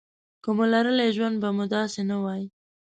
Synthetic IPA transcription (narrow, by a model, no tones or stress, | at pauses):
komolaɾəleʒwand̪̚bamud̪ɑsenawɑji